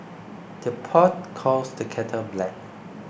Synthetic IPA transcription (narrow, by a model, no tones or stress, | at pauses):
d̥əpʰɔt̚kʰɔsdəkʰɛtʰəblɛk̚